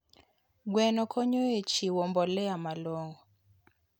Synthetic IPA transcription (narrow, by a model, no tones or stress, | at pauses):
ɡwɛnɔkʰɔɲoet͡ʃiwɔmbɔlɛamalɔŋɡɔ